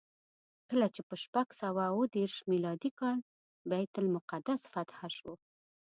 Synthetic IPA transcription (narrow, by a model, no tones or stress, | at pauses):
kəlat͡ʃepəʃpaɡsawawəd̪eɾʃmilɑd̪ikɑl | bajt̪ʊlmʊqad̪asfat̪haʃo